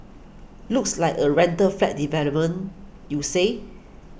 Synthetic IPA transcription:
lukslaɪkəɹɛ̃ntəflɛt̚divɛlop̚mə̃n | juse

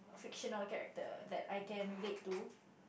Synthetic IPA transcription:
fɪkʃənəlkɛɹɛ̰k̚tə̰d̪ɛtajkɛ̃nlittu

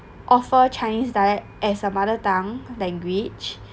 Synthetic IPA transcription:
ʔɔfət͡ʃajnisdaɛkʔɛsəmadətãŋlɛ̃ŋɡwid͡ʒ

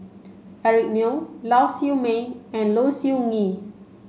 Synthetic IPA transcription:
ɛɹik̚nolawsimẽɛ̃nlosiuŋi

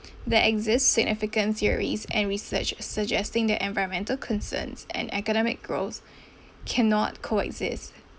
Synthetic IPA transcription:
ðɛʔɛɡzɪstsɪɡ̚nʔɪfɪkə̃nθiəɹḭzɛ̰̃nɹisə̰t͡ʃsəd͡ʒɛstɪ̃ŋd̪ɛʔɛ̃nvaɪɹə̃nmɛ̃ntəlkʰɔ̃nsə̰̃nsɛ̰̃nɛkənɔmɪ̰k̚ɡ̥ɹoθ | kʰɛnɔ̰t̚kʰoɛ̰ɡzɪ̰st

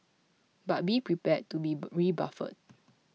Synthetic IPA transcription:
bat̚bipɹipɛd̚tːubiɹiba̰fə̰d̚

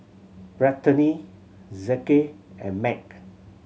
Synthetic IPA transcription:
bɹatəni | zɛkeɛ̰̃nmɛk̚

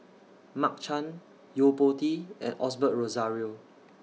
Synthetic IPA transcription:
mak̚t͡ʃãn | jopotiɛ̰̃nɔsbət̚ɹozaɹio

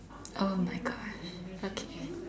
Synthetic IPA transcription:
ʔoʊmaɪɡɑʃokʰeɪ

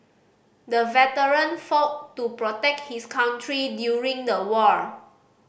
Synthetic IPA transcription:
dəvɛtəɹə̃nfɔtːupɹɔtɛk̚t̚hiskʰãw̃ntʰɹidjuɹĩŋdəwɔɹ

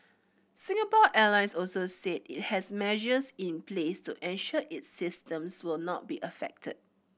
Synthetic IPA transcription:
sɪ̃ŋəpɔʔɛlãɪ̃nsɔlsosetḭt̚hɛsmɛʒəsĩnplestuʔɛ̃nʃɔʔɪtsɪstə̃mswɪlnɔ̰t̚biʔəfɛ̰k̚tʰə̰d̚

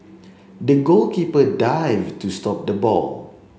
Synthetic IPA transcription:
dəɡolkipədajvtustɔp̚dəbɔ̰l

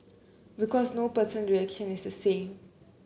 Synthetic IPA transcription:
bikɔsnopəsə̃nɹiɛkʃə̃nisdəsẽm

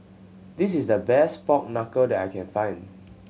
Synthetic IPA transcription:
dis̬isdəbɛspɔk̚nakədɛtajkʰɛ̃nfãɪ̃nd

